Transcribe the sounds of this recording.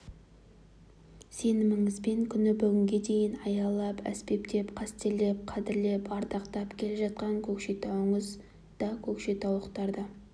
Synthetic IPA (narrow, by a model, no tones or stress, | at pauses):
se̞nɪmɪŋɪzbe̞ŋkʲʰʏnɪbʏɡʲɪŋɡʲe̞d̪e̞jɪnɑjɑlˠɑpæ̰spe̞pt̪e̞pqʰɑst̪ele̞p̚qʰɑd̪ɪɾle̞pɑɾd̪ɑqt̪ɑpkʲʰe̞leʒɑt̪̚qɑŋkʲʰɵkʃet̪ʰɑwəɴəz | d̪̥ɑkʲʰɵkʃe̞t̪ʰɑwəqt̪ɑɾd̪ɑ